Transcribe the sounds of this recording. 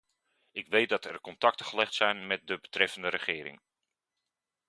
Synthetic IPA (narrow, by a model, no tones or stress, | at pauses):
ɪkʋejt̚dɑtɛɹkɔntɑk̚təχəlɛχtsɛjnmɛt̚dəbətrɛfəndəɾəχɪːɾɪ̰ŋ